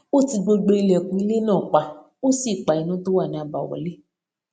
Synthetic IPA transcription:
o˦ti˧ɡ͡bo˧ɡ͡be˧i˧lɛ˨kũ˧˦i˧˦le˦nãː˦˨k͡pa˨ | o˦si˦˨k͡pa˨i˨˦nũ˨˦to˦wa˦˨nĩ˧˦a˧ba˨wɔ̰˨le˦

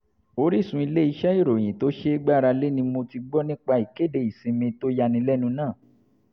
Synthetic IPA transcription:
o˧˦ɾi˦˨sũ˧˦i˧le˦i˧ʃɛ˦i˦˨ɾo˨j̃ĩ˨to˨˦ʃe˦ɡ͡ba˦˨ɾa˧le˦nĩ˧mo˧ti˧ɡ͡bɔ˦nĩ˦k͡pa˧i˨ke˦˨de˨i˨sĩ˧mĩ˧to˦ja˧nĩ˧lɛ˦nũ˧nãː˦˨

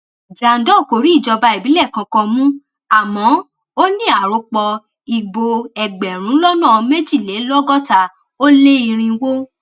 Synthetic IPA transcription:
d͡ʒa˨n̩˨˦dɔ̃˦˨ko˨ɾi˨˦i˦˨d͡ʒɔ˧ba˧i˨bi˨˦lɛ˦˨kã˧kɔ̃˧mũ˦ | a˨mɔ̃˨˦ | o˦nĩ˦a˨ɾo˧k͡pɔ˧ | i˨ɡ͡bo˧ɛ˨ɡ͡bɛ˨ɾ̃ũ˨˦lɔ˦nã˦˨me˦d͡ʒi˦˨le˨˦lɔ˦ɡɔ˦ta˧ | o˦le˦i˧ɾ̃ĩ˧wo˦

